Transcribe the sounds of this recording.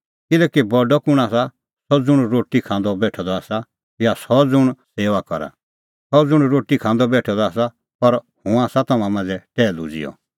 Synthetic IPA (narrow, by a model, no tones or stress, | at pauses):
kɪlɛːkibɔɖɔkʊɽ̃aːsa | sɔd͡zʊɽ̃ɾoːʈikʰãːnd̪ɔbɛːʈʰɔd̪ɔaːsa | jasɔd͡zʊɽ̃seːʋakɔɾa̰ | sɔd͡zʊɽ̃ɾoːʈikʰãːnd̪ɔbɛːʈʰɔd̪ɔaːs̬a | pɐɾhũaːsat̪ɔmãmãːnd͡zɛʈɛːlṵd͡zḭjɔ̰